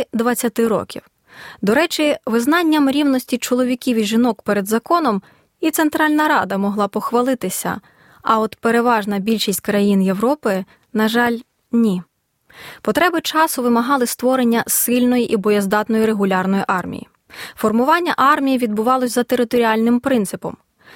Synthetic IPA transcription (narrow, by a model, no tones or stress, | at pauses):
d̪ʋɐt͡sʲːɐt̪ɪɾɔ̰kʲḭw | d̪ɔɾɛt͡ʃiʋɪzn̪ɑnʲːɐmɾʲiwnɔsʲtʲit͡ʃɔlˠɔʋʲikʲiʋiʒɪnɔkpeɾe̞d̪zɐkɔnɔm | it̪sent̪ɾɑlʲnɐɾɑd̪ɐmɔɦlˠɑpɔxʋɐlˠɪt̪ɪsʲɐ̰ | ɐɔt̪peɾeʋɑʒnɐbʲilʲʃisʲtʲkɾɐjinje̞wɾɔpɪ | nɐʒɑlʲ | nʲi | pɔt̪ɾɛbɪt͡ʃɑsʊʋɪmɐɦɑlˠɪst̪ʋɔɾenʲːɐsɪlʲnɔjiʔibɔjɛzd̪ɑt̪nɔjiɾeɦʊlʲɑrnɔjiʔɑrmʲḭjḭ | fɔrmʊʋɑnʲːɐʔɑrmʲijiʋʲid̪̚bʊʋɑlˠɔsʲzɐt̪e̞ɾɪt̪ɔɾʲiɑlʲnɪmpɾɪnt̪sɪpɔ̰m